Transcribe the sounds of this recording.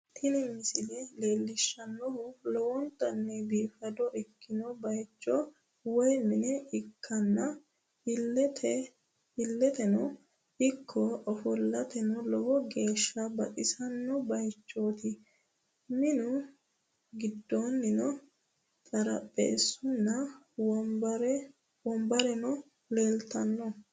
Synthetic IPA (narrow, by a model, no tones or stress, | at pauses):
t̪ɪnɛmɪsɪlɛle̞ːlːɪʃːɐnːɔhʊlɔwɔnt̪ːɐnːɛbiːfɐd̪ɔʔɪkːɪnɔbɐjt͡ʃʼːɔ | wɔjmɪnɛɪkʰːɐnːɐ | hɪlːɛt̪ʰɛ | hɪlːɛt̪ɛnɔ | ɪkʰːɔɔfɔlːɐt̪ɛnɔlɔwɔɡe̞ːʃːɐbɐtʼɪsɐnːɔbɐjt͡ʃʼːoːt̪ɪ | mɪnʊ | ɡɪd̪ːonːɪnɔ | t̪ʼɐɾɐpʼːḛːsʊnːɐ | wɾ | wɔmbɐɾɛnɔ | leːlt̪ɐnːɔ